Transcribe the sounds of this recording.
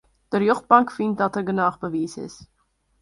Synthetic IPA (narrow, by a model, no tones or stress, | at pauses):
d̥ərjøχt̚bɑŋkfintdɑtərɡənɑːχbəviːsɪ̰s